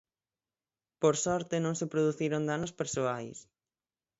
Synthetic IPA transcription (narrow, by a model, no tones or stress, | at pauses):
poɾsɔɾt̪ɪnõŋsepɾoðuθiɾond̪anospeɾsoajs